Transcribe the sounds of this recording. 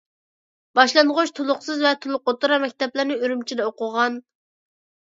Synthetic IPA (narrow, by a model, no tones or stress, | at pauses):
b̥ɑʃlˠɑnʁʊʃt̪ʰolˠʊqsɨzvɛt̪ʰulˠʊq̚ot̪uɾɑmɛk̚ʲt̪ɛplɪɾnɪyɾymt͡ʃʰid̪ɛoqʊʁɑn